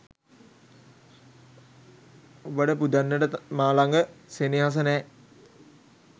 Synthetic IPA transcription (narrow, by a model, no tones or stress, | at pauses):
obəʈəpud̪anːəʈəmaːlaŋɡəseniɦas̬ənɛː